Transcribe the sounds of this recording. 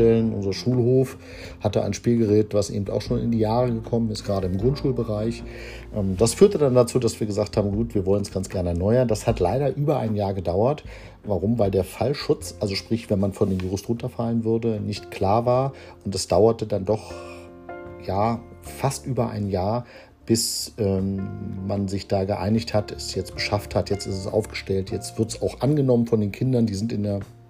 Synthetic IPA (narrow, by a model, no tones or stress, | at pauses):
ɛlənʔʊ̰nzɐʃuːlhoːf | hatəʔa̰ɪnʃpiːlɡəʁɛːtv̥asʔḛːbm̩ta̰ʊxʃoːnɪ̰ndiːjaːʁəɡəkʰɔmənɪstɡ̥əʁaːɾəɪmɡʁʊntʃuːlbəʁaɪç | ʔɛːmd̥asfyːɐtədandat͡suːdasv̥iːɐɡəzaːkthaːbm̩ɡuːtv̥iːɐvɔlənsɡ̥ant͡sɡ̥ɛɐnəɛɐnɔʏɐndashatlaɪɾɐʔyːbɐʔa̰ɪnjaːɐɡədaʊɐt | vaʁʊmvaɪldeːɐfalʃʊt͡sʔalzoʃpʁ̥ɪçv̥ɛnmanfɔndeːmjiʁʊstʁʊntɐfalənvʏɐdənɪçtkl̥aːɐvaːɐ | ʔʊntɛsd̥aʊɐtədandɔχ | jaː | fastʔyːbɐʔa̰ɪnjaːɐ | b̥ɪsʔɛːmmanzɪçd̥aːɡəʔa̰ɪnɪçthatʰɛsjɛt͡stb̥əʃafthatjɛt͡stɪstɛsʔa̰ʊfɡ̥ə̥ʃtɛltjɛt͡stv̥ɪɐtsaʊxʔanɡənɔmənfɔndeːnkʰɪndɐndiːzɪntɪndeːɐ